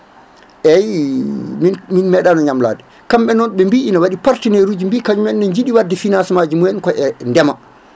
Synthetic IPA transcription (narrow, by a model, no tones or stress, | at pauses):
ʔɛj | minminmɛɗanɔɲamla̰ːdɛ | kamɓɛnɔnɓɛmbiinawaɗipaɾtineɾud͡ʒimbiːkad͡ʒumɛnnɔɲd͡ʒiɗiwadɛfinansɛmad͡ʒimujnkɔʔɛndɛma